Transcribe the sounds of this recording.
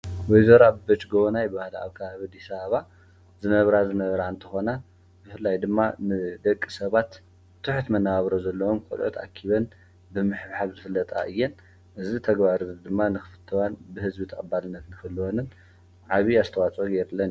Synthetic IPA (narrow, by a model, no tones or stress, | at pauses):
wɔjzɐɾabbɐt͡ʃɡoβnajbahla̰βkʰɐβaβid̪isaβaβa | zɨnɐβɾazɨnɐβɾaɨnt̪ʰɨ̥xo̞na | bɨfɨlːajd̪ɨmːanɨd̪ɐkʼːisɐβat̪ | t̪ʰːɨħt̪mɐnːaβaβɾozɐlːɐwomkʼo̰lʕṵt̪ʰa̰kʰːiβɐn | bɨmɨħβħaβzɨfɨlːɐt̪ʼa̰ʔɨjːɛn | ʔɨzit̪ʰɐɡβaɾɨd̪ɨmːanɨxɨfɨ̥t̪ʰːɐwanbɨhɨzbit̪ʰɐkʼɨbalɨnːɐt̪nɨkɨlːɨwonɨn | ʕaβiazt̪ʰɐwat͡sʼoɡeɾlːɐn